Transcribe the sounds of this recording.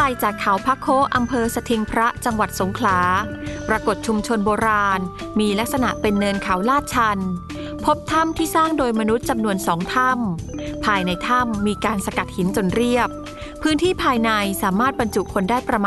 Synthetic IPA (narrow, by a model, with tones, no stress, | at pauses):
a˧˩jt͡ɕaː˨˩kʰːa˩˦wpʰa˦˥kʰoː˦˥ʔa˧mpʰɤː˧sa˧t̪ʰi˧ŋpʰɾa˦˥t͡ɕa˧ŋwa˨˩t̪̚so˩˦ŋkʰlaː˩˦pɾa˧ko˨˩t̪̚t͡ɕʰu˧mt͡ɕʰo˧nboː˧ɾaː˧n | miː˧la˦˥k̚sa˧na˨˩ʔpe˧nːɤː˧nkʰa˩˦wlaː˥˩t̪̚t͡ɕʰa˧n | pʰo˦˥p̚t̪ʰa˥˩mt̪ʰiː˥˩saː˥˩ŋdoː˧jma˧nu˦˥t̪̚t͡ɕa˧mnu˧ənsɔː˩˦ŋt̪ʰa˥˩mpʰaː˧jna˧jt̪ʰa˥˩mːiː˧kaː˧nsa˧ka˨˩t̪̚hi˨˩˦nt͡ɕo˨˩nɾi˥˩əp̚ʰː | ɯː˦˥nt̪ʰiː˥˩pʰaː˧jna˧jsaː˩˦maː˥˩t̪̚ba˧nt͡ɕu˨˩ʔkʰo˧ndaː˥˩jpɾa˧mː˧